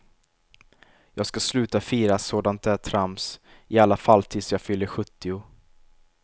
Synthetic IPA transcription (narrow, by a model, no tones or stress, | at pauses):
jɑːɡskaslʉ̟ːt̪afiːɾasoːd̪ant̪̚d̪ɛæt̪ʰɾamsɪalːafalːt̪ʰɪːd̪sɔjɑːɡfʏlːəɧɵt̪ːɪʊ